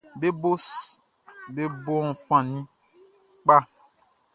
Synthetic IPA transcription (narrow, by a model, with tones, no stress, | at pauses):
be˦bo˦s | be˦bo˦ɔ̃˨fã˨nĩ˦ | k͡pa˦